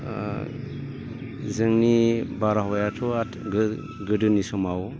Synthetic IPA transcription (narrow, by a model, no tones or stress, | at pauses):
zɯŋnibaɾaɦajatʰɔatɡɯ | ɡɯdɯnisɔmaw